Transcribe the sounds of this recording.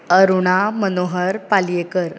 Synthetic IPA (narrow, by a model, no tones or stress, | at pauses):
əɾuɳamənoɦəɾpaljekəɾ